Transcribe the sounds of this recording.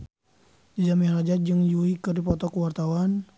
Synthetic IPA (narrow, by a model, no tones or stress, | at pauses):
did͡ʒamihrad͡ʒat̪̚d͡ʒɨŋjuikɨrdipɔt̪ɔkuwart̪awan